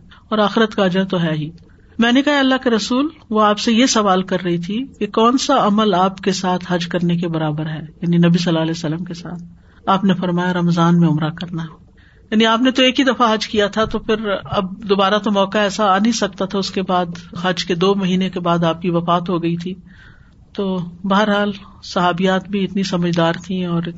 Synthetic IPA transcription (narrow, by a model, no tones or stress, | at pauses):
ɔːɾaːxɪɾət̪kaɐd͡ʒəɾt̪oɦɛːɦiː | mɛ̃ːnekɐɦaɐlːakeɾɐsuːlʋoaːpsejesɐʋaːlkɐɾːɐɦit̪ʰikekɔːnsaɐməlaːpkesaːt̪ʰɦɐd͡ʒkɐɾnek̬ebɐɾaːbəɾɦɛːjaːninɐbisɐlːaːɐlɛsɐlːəmkesaːt̪̚ʰ | aːpnefɐɾmaːjaɾɐmzaːnmẽʊmɾakɐɾnaɦ | jaːniaːpnet̪oeːkɦid̪ɐfaɦɐd͡ʒkijat̪ʰat̪ofʰɪɾɐbd̪oːbaːɾat̪omɔːkaɛːsanɐĩsɐk̚t̪at̪ʰaʊskebaːd̪ɦɐd͡ʒked̪oːmɐɦiːnẽkebaːd̪aːp̚kiʋɐfaːt̪ɦoɡɐit̪ʰi | t̪oːbɐɦəɾɦaːl | sɐɦaːbijaːt̪̚bʱiɪt̪nisɐməd͡ʒʱd̪aːɾt̪ʰiɔːɾ